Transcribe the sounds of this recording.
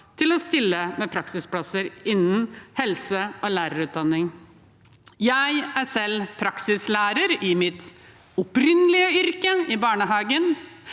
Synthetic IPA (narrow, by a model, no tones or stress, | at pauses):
t̪ʰɪlɔst̪ɪlːəmɛpʰɾɑksɪsplɑsəɾɪnːn̩hɛlsəʔoːlæːɾəɾʉːt̪̚d̪ɑnːɪŋ | jæɪæsɛlpʰɾɑksɪslæːɾəɾɪmɪt̪ | ɔpɾɪnlɪəʏɾkəɪbɑːɳəɦɑːɡən